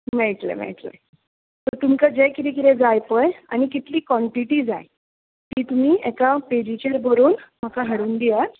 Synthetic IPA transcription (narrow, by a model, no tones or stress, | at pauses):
mɛɭʈlḛmɛ̰ɭʈlḛ | t̪əɾt̪umkad͡ʑejkiɾikiɾɛd͡zajpəja̰ñikit̪liːkʋɔɳʈiʈiːd͡zaj | t̪iːt̪um̤iːɛkapeɾit͡ɕəɾbəɾuːnm̤akaɦəɽuːnd̪ijaɾ